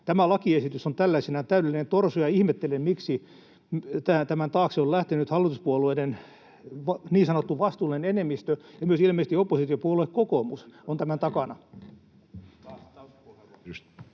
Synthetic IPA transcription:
t̪æmælɑkiesit̪ysont̪ælːæisenæt̪æyɾelːinent̪orsujɑihmet̪ːelemmiksi | mt̪æːt̪æmænt̪ɑːkseollæht̪enyt̪hɑlːit̪uspuolueinen | ʋɑniːsɑnot̪ːuʋʋɑst̪uːlinenenemːist̪øjɑmyøsilmeist̪iopːosit̪iopuoluekkokomusont̪æmænt̪ɑkɑnɑ

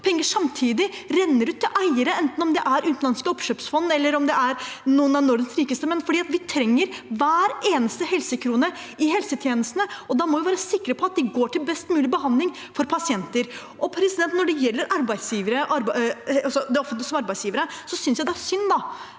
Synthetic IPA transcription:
pʰɛŋːəʂɑmt̪ʰiːd̪ɪɾɛnːəɾʉːt̪ʰːɪlʔæɪəɾəɛnt̪n̩ɔmd̪ɛʔæɾʔʉːt̪nlɑnskəɔpʃøːpsfɔnːɛlːəɾɔmd̪ɛʔæɾnuːənɑnɔɖɛnsɾiːkəst̪əmɛnːfɔɖiːɑt̪ʋɪt̪ʰɾɛŋːəɾʋæːɾeːnəst̪əhɛlsəkʰɾuːnə | ɪɦɛlsət̪ʰjeːnəst̪nəɔd̪ɑmɔʋɪʋæːɾəsɪkːɾəpʰɔɑt̪̚d̪ɪɡoːʈʰɪlbɛst̪mʉːlɪbəɦɑnd̪lɪŋ | fɔɾpʰɑsɪɛnt̪əɾ | ʔɔpʰɾɛsɪd̪ɛnt̪nɔɖɛjɛlːəɾʔɑɾbæɪsjiːʋəɾəʔɑɾɑsɔd̪ɛɔfənt̪lɪsɔmɑɾbæɪsjiːʋəɾəsɔsʏnsjæɪd̪ɛæʂʏnːd̪ɑ

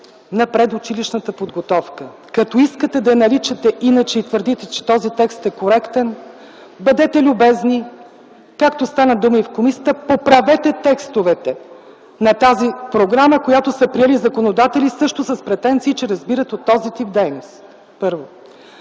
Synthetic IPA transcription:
nɐpɾɛd̪ʊt͡ʃiliʃnət̪əpod̪ɡot̪ɔfkə | kɐt̪ɔiskət̪ɛd̪ɐnɐɾit͡ʃɛt̪ɛʔinət͡ʃɛit̪vəɾd̪it̪ɛt͡ʃɛ̥t̪ɔzit̪ɛkst̪ɛkoɾɛkt̪ɛn | bɐd̪ɛt̪ɛlʲʊbɛzni | kakt̪ost̪anəd̪uməifkomisət̪əpopɾɐvɛt̪ɛt̪ɛkst̪ovɛt̪ɛ | nɐt̪azipɾoɡɾaməkojat̪osəpɾiɛlizɐkonod̪at̪ɛlisɤʃt̪ʊsəspɾɛt̪ɛnt̪siːt͡ʃɛɾɐzbiɾət̪ot̪ːɔzit̪ifd̪ɛjnos | pɤɾvo

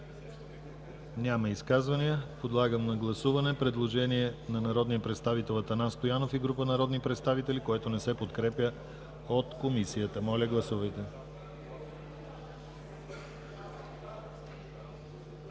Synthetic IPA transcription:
nʲaməiskazvɐniəpod̪lˠaɡəmnɐɡlˠɐsuvɐnɛpɾɛd̪lˠoʒɛniɛnɐnɐɾɔd̪nijəpɾɛt̪st̪avit̪ɛlˠɐt̪ɐnanst̪ojanofiɡɾupənɐɾɔd̪nipɾɛt̪st̪avit̪ɛlikoɛt̪onɛsɛpot̪kɾɛpʲjə | ot̪komisijət̪əmɔlʲəɡlˠɐsuvəjt̪ɛ

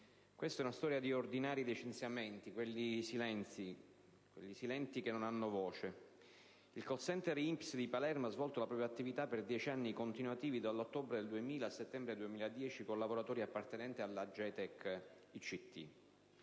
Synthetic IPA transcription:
kwest̪aɛunast̪ɔːɾjad̪iord̪inaːɾilit͡ʃent̪sjamɛnt̪ikwelːisilɛni | kwḛʎːisilɛnt̪ikenːonanːovɔːt͡ʃe | ilkosɛnt̪ɛɾimpsd̪ipalɛrmoazvɔlt̪olapɾɔpjat̪ːivit̪apːerd̪jɛːt͡ʃanːikont̪inuat̪iːvid̪alːot̪ːobɾed̪eld̪uemiːlaset̪ːɛmbɾed̪uemiːlaed̪jɛːt͡ʃikolːaboɾat̪ɔːɾiapːart̪enɛnt̪ialːad͡ʒɛt̪ɛk | it͡ʃit̪ʰːḭ

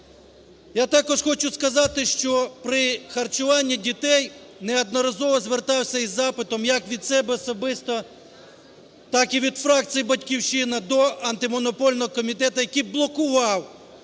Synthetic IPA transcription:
jat̪ɑkɔʒxɔt͡ʃʊskɐzɑt̪ɪʃt͡ʃɔpɾɪxɐrt͡ʃʊʋɑnʲːidʲit̪ɛjnɛɐd̪nɔɾɐzɔʋɔzʋert̪ɑwsʲɐizːɑpɪt̪ɔmjɐkʋʲid̪sɛbɛɔsɔbɪst̪ɔ | t̪ɑkiʋʲid̪fɾɑk̚t͡sʲijibɐtʲkʲiwʃɪnɐd̪ɔɐnt̪ɪmɔnɔpɔlʲnɔɦɔkɔmʲit̪ɛt̪ɐjɐkiblˠɔkʊʋɑw

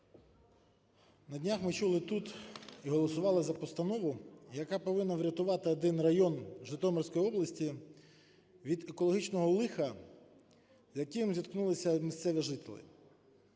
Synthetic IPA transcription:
nɐdʲnʲaxmɪt͡ʃulˠɪt̪ut̪iɦɔlˠɔsʊʋɑlˠɪzɐpɔst̪ɐnɔʋʊjɐkɑpɔʋɪnːɐʋɾʲɐt̪ʊʋɑt̪ɪɔd̪ɪnrɐjɔnʒɪt̪ɔmɔrsʲkɔjiɔblˠɐsʲtʲi | ʋʲid̪ekɔlˠɔɦit͡ʃnɔɦɔlˠɪxɐ | zʲjɐkɪmzʲiɐt̪knulˠɪsʲɐmʲist̪sɛʋʲiʒɪt̪ɪlʲˠɪ̰

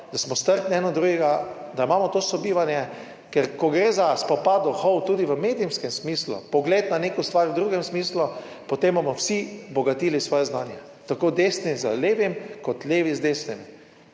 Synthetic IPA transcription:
d̪asmɔst̪əɾt̪niɛnɔd̪ɾuːɡɛɡa | d̪aimamɔt̪oːsɔbiːʋanjɛ | kɛɾkɔɡɾeːzaspɔpaːd̪ɔxowt̪uːd̪iʋəmeːd̪iumskɛmsmiːslṵpɔɡlet̪nanekɔst̪ʋaɾwd̪ɾuːɡɛmsmiːslu | pot̪embomɔwsibɔɡat̪iːlisʋɔːjɛznaːnjɛ | t̪akoːd̪eːsnizə̰leːʋimkɔt̪leːʋizd̪est̪ɛmi

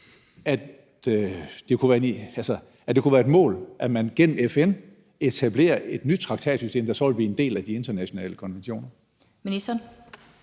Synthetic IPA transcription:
æ̥ | d̥e̝kʰuʋæːɐnælsə | æd̥e̝kʰuʋæːɐe̝d̥mɔ̰̽ːlʔæmænɡ̥en̰m̩efen | e̝t͡sʰæb̥le̝̰ːɐʔe̝d̥nyd̥̚t͡sʰʁɑ̈ɡ̥t͡sʰɛ̰ːd̥sysd̥e̝ːmd̥ɑ̈sɒlb̥iend̥e̝̰ːlæd̥ie̝nd̥ɐnæɕo̝nɛ̰ːləkʰɒ̽nʋenɕo̝̰ːnɐ | minisd̥ɐn

